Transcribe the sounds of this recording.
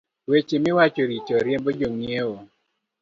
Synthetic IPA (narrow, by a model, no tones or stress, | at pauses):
wet͡ʃemɪwat͡ʃoɾit͡ʃɔɾjembod͡ʒoŋieo